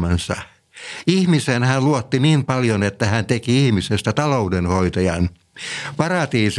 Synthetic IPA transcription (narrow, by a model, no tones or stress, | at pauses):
mensɑ̰ | ihmisenhænluot̪ːiniːmpɑljonet̪ːæhænt̪ekiihmisest̪æt̪ɑloudenhoit̪ɑjɑn | pɑrɑt̪iːs